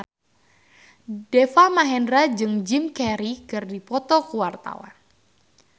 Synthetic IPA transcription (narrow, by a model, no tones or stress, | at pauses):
dɛfamaɦɛnɾad͡ʒɨŋd͡ʒimkɛɾikɨrdipɔt̪ɔkuwart̪a̰wa̰n